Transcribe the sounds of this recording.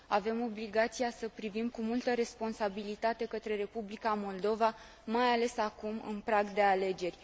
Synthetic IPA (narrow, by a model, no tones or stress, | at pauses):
ave̞mo̞bliɡat̪sijasəpɾivimkumult̪əɾe̞spo̞nsabilit̪at̪e̞kət̪ɾe̞ɾe̞publikamo̞ld̪o̞va | majale̞sakumɨ̰npɾaɡd̪e̞ale̞d͡ʒe̞rʲ